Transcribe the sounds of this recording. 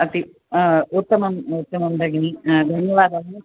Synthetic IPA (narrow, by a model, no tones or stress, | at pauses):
ɐt̪i | ut̪ːɐmɐmut̪ːɐmɐmd̪ʱɐɡɐnid̪ʱɐnjɐʋaːd̪ɐʋɐnu